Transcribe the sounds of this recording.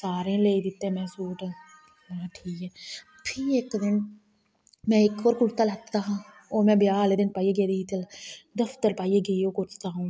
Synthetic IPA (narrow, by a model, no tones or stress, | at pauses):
saːɾẽːleːid̪ɪt̪ːẽmɛ̃ːsuːʈː | aʈʰiːkɛ | pʰiːekd̪ɪn | mɛ̃ːɪkoɾkʊlt̪alatt̪aːɦãː | oːmɛ̃ːbjaːleːd̪ɪnpaːieːɡeːd̪it̪əld̪əft̪əɾpaːieɡəioːkʊt͡ʃt̪aːɦũː